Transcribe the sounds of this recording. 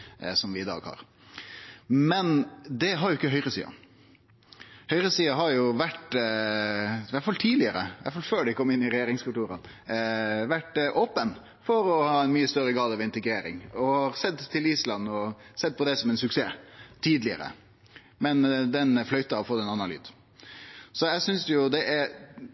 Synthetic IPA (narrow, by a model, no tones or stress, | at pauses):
sɔmʋɪɪd̪ɑ̰ːɡhɑ̰ɾ | mɛnd̪ɛɦɑɾjʊɪkːəɦœʏɾəsḭːɑ̰ | hœʏɾəsiːɑɦɑɾjʊʋæʈ | ʋæʈfɑlt̪ʰiːd̪lɪəɾə̰ʋæ̰ʈfɑlføːɖɛɪkʰɔmːɪnːɪɾɛjeːɾɪŋskʉlt̪uːɾə̰n | ʋæʈʔoːpən | fɔɾɔhɑːɛnmyːəst̪œɾəɡɑːd̪əʋɪnt̪əɡɾeːɾɪ̰ŋɔhɑɾsɛd̪t̪ʰːɪliːslɑnːɔsɛd̪̚pʰɔd̪ɛsɔmɛnsʉksḛːt̪ʰiːd̪lɪə̰ɾə̰ | mɛnd̪ɛnflœʏt̪əɑɔfɔt̪ːɛnɑnɑly̰ːd̪̥ | sɔjæɪsʏnsjʊd̪ɛʔæɾ